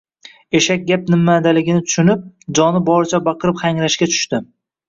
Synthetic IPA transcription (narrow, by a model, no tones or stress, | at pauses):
e̞ʃak̚ʲɡʲap̚nɪmːad̪alɪɡʲɪnɪt̪ʰʊ̥ʃʊnɪp̚d͡ʒɒnɪbɒɾɪt͡ʃʰabɑqʰɨɾɪpχaŋɾaʃkʲat͡ʃʰʊ̥ʃt̪ɪ